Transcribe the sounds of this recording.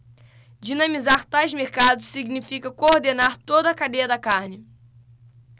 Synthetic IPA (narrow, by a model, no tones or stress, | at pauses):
d͡ʒinɐ̃mizaɾt̪ajzmeɾkad̪ʊssiɡnifikɐkoɾd̪enaɾt̪od̪ɐːkad̪ejɐd̪ɐkaɾnɪ